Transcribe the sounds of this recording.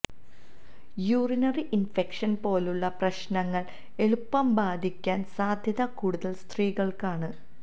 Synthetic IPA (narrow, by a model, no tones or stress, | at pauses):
juːrinɐriʔinfekʂɐnpo̞ːluɭːɐprɐɕnɐŋːɐɭ | e̞ɭupːɐmbaːd̪ʱikʲːaːnsaːd̪ʱjɐðɐkuːɽuðɐlst̪riːɣɐɭkaːɳɨ